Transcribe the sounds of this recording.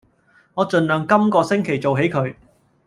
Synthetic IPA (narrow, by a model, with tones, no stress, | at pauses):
ŋɔː˨˧t͡ʃɵ˨˧nlœː˨ŋkɐ˥mkɔː˧sɪ˥ŋkʰe˨˩jt͡so˨wɦe˨˥jkʰɵ˨˧ɥ